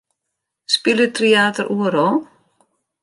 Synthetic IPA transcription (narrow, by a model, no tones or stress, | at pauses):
spɪlɪt̪ʰɾiaːt̪aɾʔuːɾo